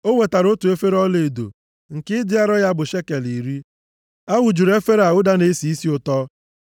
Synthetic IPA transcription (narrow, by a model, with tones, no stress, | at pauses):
o˦we˨ta˨ɾo˦tu˨e˦fe˦ɾɔ˦le˨e˨do̰˨ | ŋ̩˨kɪ˦dɪ˦a˦ɾɔ˦ja˦bʊ˨ʃe˦ke˨li˨ɾi˦ | a˦ɣʊ˨d͡ʒu˨ɾe˦fe˦ɾa˨ʊ˦da˦ne˦si˨i˦si˦ʊ˨tɔ˦